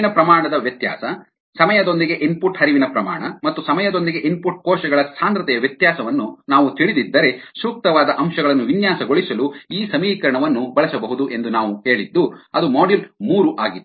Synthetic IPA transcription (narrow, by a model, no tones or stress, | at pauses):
nɐpɾɐmaːɳɐd̪ɐʋjɐt̪ja̰ːsɐ | sɐmɐjɐd̪o̞nd̪iɡe̞ʔinpuʈɦɐɾiʋinɐpɾɐmaːɳɐmɐt̪ːusɐmɐjɐd̪o̞nd̪iɡe̞ʔinpuʈ̚kɔːʃɐɡɐɭɐsaːnd̪ɾɐt̪ɛjɐʋjɐt̪jaːsɐʋɐnːunaːʋut̪iɭid̪id̪ːɐɾe̞suːk̚t̪ɐʋaːd̪ɐʔɐmʃɐɡɐɭɐnːuʋinjaːsɐɡoɭisɐluiːsɐmiːkɐɾɐɳɐʋɐnːubɐɭɐsɐbɐɦud̪uʔe̞nd̪unaːʋuɦe̞ːɭid̪ːuɐd̪umaːɖilmuːɾuʔaːɡit̪ː